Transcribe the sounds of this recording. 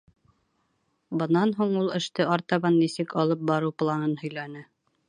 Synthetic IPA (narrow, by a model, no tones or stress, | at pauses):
bɤ̆nɑnɦuɴulˠɘ̆ʃt̪ɘɑɾt̪ɑβɑnːisɘkɑlˠɤp̚bɑɾɤwplˠɑnɤnhɵ̆jlænɘ